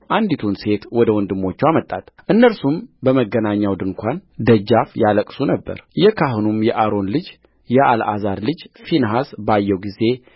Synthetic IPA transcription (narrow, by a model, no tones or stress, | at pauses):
ʔand̪it̪ʰunse̞t̪wɔd̪əwɔnd̪ɨmːo̞t͡ʃːɛwamət̪ʼːat̪ʔɨnːəlsumbəməɡːənaɲːawd̪ɨŋkʷand̪əd͡ʒːafjaləkʼsunəbːə̰ɾjɛkʰaɦnumjɛʔaɾo̞nlɨd͡ʒ | jɛʔalʔa̰zaɾlɨd͡ʒfinɦasbajːɛwɡize̞